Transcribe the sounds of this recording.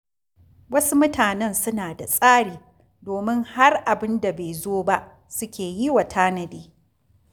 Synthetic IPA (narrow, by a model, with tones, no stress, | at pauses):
wɐ˦su˦mʊ˦taː˨nɛ˦nsʊ˦naː˨da˨sʼaː˦ɽiː˨ | doː˨mɪ˦ŋha˦rʔa˨bɪ˦nda˨be˨zoː˦ba˦ʔ | sʊ˦kʲeː˨ji˦wa˨tʰaː˦nɐ˨deː˨